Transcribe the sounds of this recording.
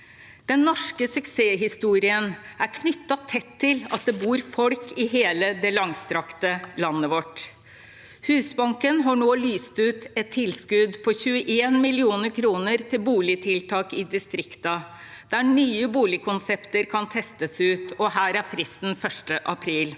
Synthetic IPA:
d̪̥ɛnːɔʂkəsʉkseːɦɪst̪uːɾɪənæɾkʰnʏt̪ːɑt̪ʰɛt̪ʰːɪlɑt̪̚d̪ɛbuːɾfɔɽkʰɪɦeːləd̪ɛlɑŋst̪ɾɑkt̪əlɑnːəʋɔʈ | hʉːsbɑŋkənɦɑɳoːlyːst̪ʉt̪ɛt̪ʰːɪlskʉd̪pʰɔçʉːəʔeːnmɪlɪuːnəɾkʰɾuːnəɾt̪ʰɪlbuːlɪt̪ʰɪlt̪ʰɑːkɪd̪ɪst̪ɾɪkt̪ɑ | d̪̥æɳyːəbuːlɪkʰʊnsɛpt̪əɾkʰɑnt̪ʰɛst̪əsʉːt̪ɔhæːɾæɾfɾɪst̪n̩fœʂʈəʔɑpʰɾiːl

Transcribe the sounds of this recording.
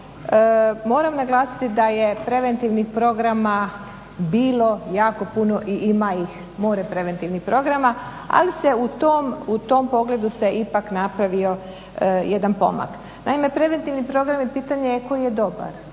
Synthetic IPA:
əmo̞ːɾamnaɡlˠaːsi̥t̪id̪aje̞pɾe̞ʋe̞nt̪iʋnixpɾo̞ɡɾama | biːlo̞jaːko̞puno̞ʔiʔimaix | moːɾepɾe̞ʋe̞nt̪iʋnixpɾo̞ɡɾama | a̰liseut̪omut̪o̞mpo̞ɡle̞d̪use̞ʔipaknapɾaʋio̞ | jed̪anpo̞̰ma̰k | naime̞pɾe̞ʋe̞nt̪iʋnipɾo̞ɡɾamjepiːt̪aɲekojjed̪o̞ba̰ɾ

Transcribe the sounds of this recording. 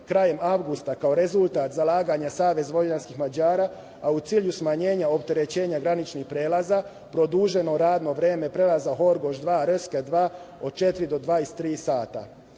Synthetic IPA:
kɾaːje̞mawɡust̪akao̞ɾe̞zulˠt̪aːt̪zalaːɡaɲasaːʋe̞zʋo̞anskixmad͡ʑaːɾaː | aut̪siːʎusmaɲe̞ːɲaop̚t̪e̞ɾe̞t͡ɕe̞ːɲaɡɾanit͡ʃnixpɾeːlaza | pɾo̞d̪uːʒe̞no̞ɾaːd̪no̞ʋɾeːme̞pɾe̞lˠazaɦo̞ɾɡo̞ʒd̪ʋaːɾøskad̪ʋaːo̞d̪̥̚t͡ʃe̞t̪iɾid̪o̞d̪ʋajest̪ːɾiːsaːt̪a̰

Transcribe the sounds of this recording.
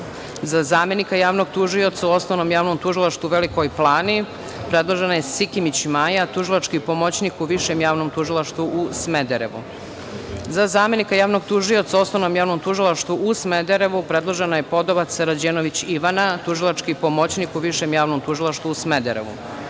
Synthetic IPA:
zazaːme̞nikajaːʋno̞ɡt̪uʒio̞t̪sauo̞snoʋnomjaːʋnomt̪uʒilˠaʃt̪uʋeliko̞jplˠaːni | pɾe̞d̪lˠoʒenajesikimit͡ɕmajat̪uʒilˠat͡ʃkipo̞mo̞t͡ɕnikuʋiʃemjaːʋnomt̪uʒilˠaʃt̪ʋuʔusmed̪eɾeʋṵ | zazaːme̞nikajaːʋnoɡt̪uʒio̞t̪saosno̞ʋnomjaːʋno̞mt̪uʒilˠaʃt̪ʋuʔusmed̪eɾe̞ʋupɾe̞d̪lˠoʒenajepo̞d̪oβat̪seɾad͡ʑeːnoʋit͡ɕiʋanat̪uʒilˠat͡ʃkipo̞mo̞t͡ɕnikuʋiʃe̞mjaːʋnomt̪uʒilˠaʃt̪ʋuusmed̪eɾḛʋṵ

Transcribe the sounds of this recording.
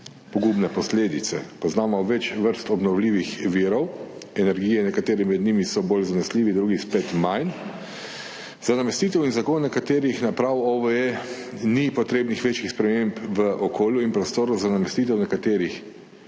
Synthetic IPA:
pɔɡubnɛpɔsleːd̪it̪sɛ̰pɔznaːmɔʋɛt͡ʃʋəɾst̪ɔbnɔwliːʋixʋiːɾɔwɛnɛɾɡijɛnɛkat̪eːɾɛmɛd̪nimisɔboːlzanɛsliːʋid̪ɾuːɡispɛt̪majn | zanamɛst̪it̪ɛwinzakonːakat̪eːɾixnapɾawɔʋəe | nipɔt̪ɾeːbnixʋeːt͡ʃixspɾɛmeːmpʋəʔɔkʰoːljuinpɾɔst̪oːɾɔzanamɛst̪iːt̪ɛwnɛkat̪eːɾix

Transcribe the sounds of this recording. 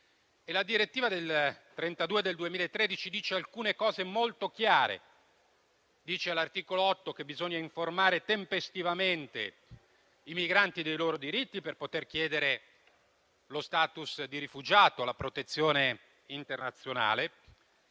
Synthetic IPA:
elad̪iɾet̪ːiːvad̪elt̪ɾent̪ad̪uːed̪eld̪uemiːlaet̪ːɾed̪it͡ʃid̪iːt͡ʃealkuːnekɔːzemolt̪ok̟jaaːɾḛ | d̪iːt͡ʃealart̪iːkoloɔt̪ːok̟ebizoɲːaiɱformaːɾet̪empest̪ivament̪ḛ | imiɡɾant̪id̪ejloːɾod̪iɾit̪ːiperpot̪erk̟jɛːd̪eɾe | lost̪aːt̪usd̪iɾifud͡ʒaːt̪olapɾot̪et̪sːjoːne | int̪ernat̪sːjona̰ːle

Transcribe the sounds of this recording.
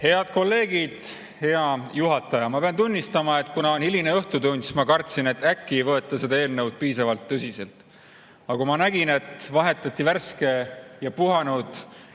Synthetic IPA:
he̞ɑd̪̥ko̞lːe̞ːɡ̥id̪̥ | he̞ɑjuɦɑt̪ːˑɑjɑmɑpe̞ɑnt̪unʲːist̪ɑmɑe̞t̪ːˑkunɑonhilineɤht̪ut̪unʲd̪smɑkɑrt̪sine̞t̪ːækːivɤe̞t̪ːˑɑse̞d̪ɑe̞ːlnə̞wd̪̥̚piːsɑvɑlt̪ːøsise̞lt̪ˑ | ɑkumɑnæɡ̥ine̞t̪vɑɦe̞t̪ːˑɑt̪ːiværske̞jɑpuɦɑnud̪̥

